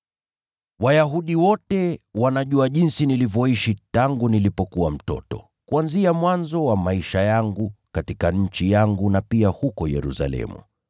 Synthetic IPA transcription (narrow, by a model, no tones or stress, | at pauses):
wajaɦuɗiwɔtɛwanaʄuaʄinsinilivjɔiʃitaŋɡunilipɔkuwam̩tɔ̰tɔ̰ | kuanziamwanzɔwamaiʃajaŋɡukatikaɲ̩t͡ʃijaŋɡunapiahukɔjɛ̰ɾṵsa̰lɛ̰mṵ